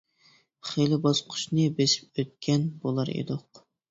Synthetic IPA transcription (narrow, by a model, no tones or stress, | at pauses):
χelɪbɑzqʰʊ̥ʃnɨbeʃi̥p̚øt̪̚kʲʰɛnbolˠɑɾḛd̪oq